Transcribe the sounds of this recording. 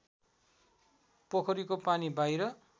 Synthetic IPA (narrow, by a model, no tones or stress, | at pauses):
pokʰʌɾikopanibajɾʌ